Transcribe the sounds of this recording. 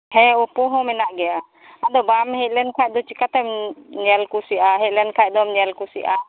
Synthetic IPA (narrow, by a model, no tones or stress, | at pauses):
hɛɔpɔɦɔmɛnaʔɡɛa | ad̪ɔbamhɛt̪̚lɛnkʰaj̚d̪ɔt͡ʃikat̪amnɛlkusiʔaɦɛt̪̚lɛnkʰajd̪ɔmnɛlkusiʔa